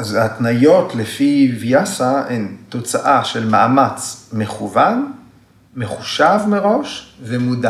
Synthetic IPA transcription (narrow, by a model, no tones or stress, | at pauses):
azatnajo̞tlefivjasaent̪o̞t͡saʔaʃe̞lmaamat͡sme̞χuvan | meχuʃavmeʁo̞ʃvemuda